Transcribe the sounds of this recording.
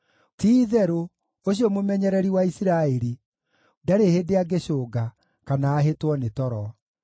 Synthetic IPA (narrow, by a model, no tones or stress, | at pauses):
tiːðɛɾo | oɕ̬iɔmomɛɲɛɾɛɾiwaisiɾaeɾi | daɾehedeaɡeɕoːɡa | kanaːɦetwɔnetɔɾɔ